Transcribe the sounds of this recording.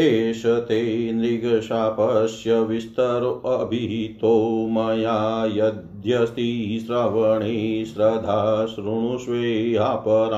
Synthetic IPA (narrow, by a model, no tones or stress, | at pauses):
eːʃɐt̪eːnɾiɡɾʃapɐʃjɐʋist̪ɐɾɐbʱiɦit̪oːmɐjaːjɐd̪ʱjɐst̪isɾɐʋɐɳisɾɐd̪ʱaʃɾuɳ̃uʃʋeːɦapɐɾ